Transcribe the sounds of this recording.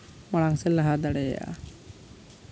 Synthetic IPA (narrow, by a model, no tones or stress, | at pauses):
maɽaŋsɛlaɦad̪aɽɛj̰a̰